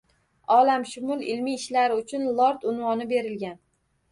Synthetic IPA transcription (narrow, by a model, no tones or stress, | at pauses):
ɒlamʃʊmʊlˠɪlmijɪʃlaɾɪʊt͡ʃʰʊnlˠɒɾt̪ʊnwɒnɪbe̞ɾɪlɡʲan